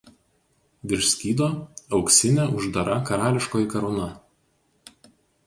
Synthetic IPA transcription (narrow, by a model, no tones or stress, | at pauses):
ʋʲɪɾʲʃsʲkʲiːd̪oːɒʊksʲɪnʲɛʊʒd̪ɐɾɐkɐɾɑːlʲɪʃkoːjɪkɐɾɔʊnɐ